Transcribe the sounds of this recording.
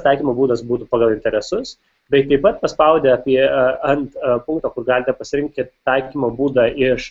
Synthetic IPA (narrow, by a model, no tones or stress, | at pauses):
t̪ɑɪkʲiːmoːbuːd̪ɐsbuːt̪uːpɑːɡɐlˠɪnʲt̪ʲɛɾʲɛsʊs | bʲɛɪt̪ɐɪpɐt̪̚pɐspɐʊd̪ʲɛɑːpʲiɛɐnt̪pʊŋkt̪ɐːkʊrɡɑːlʲɪt̪ʲɛpɐsʲɪɾʲɪŋk̚kʲɪt̪ɑɪkʲiːmoːbuːd̪ɑːʔɪʃ